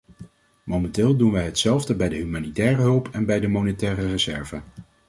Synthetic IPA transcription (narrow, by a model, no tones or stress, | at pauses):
mowmɛntɪːlˠdunʋɛjɦətsɛlˠvdəbɛjdəɦymaːnitɛːrəɦɵlˠpʰɛnbɛjdəmonetɛːrərəzɛɹvə